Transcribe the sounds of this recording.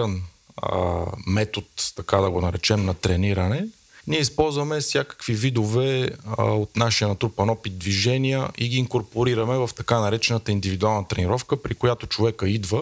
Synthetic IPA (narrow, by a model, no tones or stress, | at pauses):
ən | mɛt̪ot̪t̪ɐkad̪ɐɡonɐɾɛt͡ʃɛmnɐt̪ɾɛniɾənɛ | niɛispɔlˠzvɐmɛsʲjakə̥kvivid̪ovɛ | ot̪naʃijənɐt̪ɾupɐnɔpit̪̚d̪viʒɛnijə̰ʔiɡiːŋkoɾpoɾiɾəmɛvɐft̪ɐkanɐɾɛt͡ʃɛnət̪əind̪ivid̪ualˠnət̪ɾɛniɾɔfkəpɾikojat̪ot͡ʃovɛkəid̪və